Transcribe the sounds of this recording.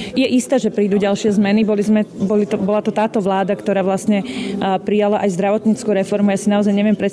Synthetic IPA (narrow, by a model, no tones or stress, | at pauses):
jɛʔist̪aːʒɛpɾiːd̪uɟalʃɪɛzmɛnibɔlizmɛbɔlit̪ɔbɔlat̪ɔt̪aːt̪ɔʋlaːd̪akt̪ɔɾaːʋlasɲɛpɾijalaʔajzd̪ɾaʋɔt̪ɲiːt͡skuɾɛfɔɾmujaːsinaɔzajɲɛʋɪjɛmpɾɛ